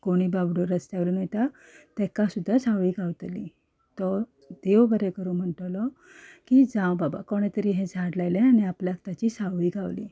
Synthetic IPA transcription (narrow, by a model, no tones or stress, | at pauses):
koɽ̃iːbabɽoɾəst̪aʋlunajt̪a | t̪ɛkasud̪ʱːasawʋiːɡʱaʋt̪li | t̪ɔ | d̪̥eʋbəɾekəɾuːnm̤əɳʈlɔ | kid͡zãwbaba̰koɽ̃et̪əɾiːɦẽd͡zʱaɽlajlẽañiapljak̚t̪jat͡ɕiːsawʋiːɡʱaʋlḭ